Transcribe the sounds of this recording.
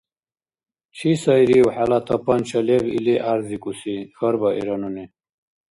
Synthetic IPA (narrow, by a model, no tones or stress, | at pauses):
t͡ɕʰisaiɾiwħalat̪ʰɐpɐnt͡ɕʰɐlevḭleʔaɾzikusixɐɾbɐʔḭɾɐnuni